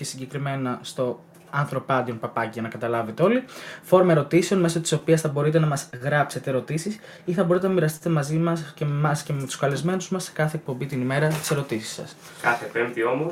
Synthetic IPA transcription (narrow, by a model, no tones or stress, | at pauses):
esiɲɟe̞kɾime̞nɐst̪o̞ | ɐnθɾo̞pɐd̪io̞npɐpɐciʝɐnɐkɐt̪ɐlɐve̞t̪e̞o̞lifo̞ɾomɐeɾo̞t̪ise̞onme̞so̞t̪i̥so̞piɐsθɐbo̞ɾit̪e̞nɐmɐzɣɾɐpse̞t̪e̞ːɾo̞t̪isis | iθɐbo̞ɾit̪enɐmiɾɐst̪i̥t̪e̞mɐzimɐsceemɐsce̞met̪u̥skɐlezme̞nuzmɐsːe̥kɐθe̞ek̚po̞mbit̪inime̞ɾɐt̪i̥se̞ɾo̞t̪isi̥sːɐ̰s | kɐθepemðio̞mo